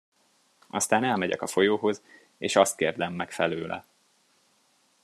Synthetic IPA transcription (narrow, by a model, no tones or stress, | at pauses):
ɒst̪aːnɛlmɛɟɛ̰kɒfo̞joːɦo̞z | eːʃɒst̪̚keːrd̪ɛmːɛkfɛløːlʔɛ̰